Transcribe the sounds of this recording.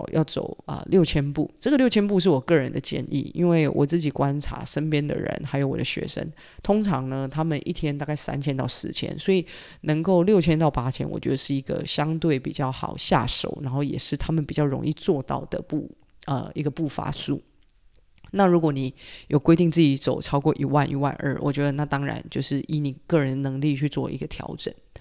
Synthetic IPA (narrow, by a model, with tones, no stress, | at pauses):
jʔɑ̰˥˩ʊt͡so̰˨˩ʊə̰˨˩ljo˥˩ʊt͡ɕʰjɛ˥npu˥˩ʈ͡ʂə˥˩ɡə˨ljo˥˩ʊt͡ɕʰɛ˥np̬u˥˧ʂ̬ɻ̩˥˩wɔ˨˩kɤ˥˩ɻə˧˦nd̪ə˨t͡ɕjɛ̰˥˧nʔḭ˥˨˩ḭ˦˥nwe˥˩ɪwʔɔ̰˨˩t͡sɹ̩˥˩t͡ɕi˨˩kwa˦nʈ͡ʂʰa̰˧˥ʂə˥npjɛ˥nd̪ə̰˨ɻə̰˧˦nxa˧˥ɪjo˨˧˥ʊwɔ̰˨˩d̪ə˦ɕɥɛ̰˧˥ʂə̰˥n | t̪ʰʊ˥ŋʈ͡ʂʰɑ˧˥ŋnə˧t̪ʰa˥mə˨nʔḭ˥˩t̪ʰjɛ˥nt̪a˥˧ka˥˩ɪsa̰˥nt͡ɕʰjɛ˥nt̪ɑ˥˩ʊʂɻ̩˧˥t͡ɕʰjɛ̰˥nswɔ˧˥i˨˩ | nə˧˥ŋko˥˧ʊljo˥˩ʊt͡ɕʰjɛ˥nt̪ɑ˥˩ʊpa˥t͡ɕʰjɛ̰˥nwɔ̰˨˩t͡ɕɥɛ˧˥d̪ə˧ʂɻ̩˥˩i˧˥ɡə̰˨˩ɕjɑ˥ŋt̪we˥˩ɪpi˨˩t͡ɕjɑ˥˩ʊxɑ˨˩ʊɕja̰˥˩ʂo̰˨˩˦ʊna˧˥nxo˥˩ʊjɛ̰˨˩ʂɻ̩˥˩t̪ʰa˥mə˨npi˨˩t͡ɕjɑ˥˩ʊɻʊ̰˧˥ŋḭ˥˧t͡swɔ˥˧t̪ɑ̰˥˩ʊd̪ə̰˩pu˥˩ | ə̰˨˩i˧˥ɡə˧pu˥˩fa̰˧˥sṵ˥˩ | na˥˩ɻu˧˥kwɔ˧˥ni˨˦jʔo˨ʊkwe˥ɪt̪i˥˧ŋt͡sɹ̩˥˩i˧˥t͡so˨˩ʊʈ͡ʂʰɑ˥ʊkwɔ˥˩ʔi˨˥˩wa˥˩nʔi˧˥wa̰˥˧nʔə̰˞˥˩wʔɔ̰˨˩t͡ɕɥɛ˧˥d̪ə˧na˥˩t̪ɑ˥ŋɻa̰˧˥nt͡ɕjo˥˧ʊʂɻ̩˥˩i˧˥ni˨˩kɤ˥˩ɻə˧˦nd̪ə˧nɤ˧˥ŋli˥˧t͡ɕʰy˥˧t͡swɔ̰˥˩ʔḭ˧˥ɡə˧t̪ʰjɑ̰˧˥ʊʈ͡ʂə˨˩˦n